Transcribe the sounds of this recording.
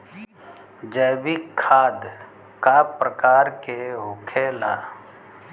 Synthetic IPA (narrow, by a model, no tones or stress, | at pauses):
d͡ʒəːbikʰːaːd̪ | kaːpɾəkaːɾkeɦʊkʰela̰ː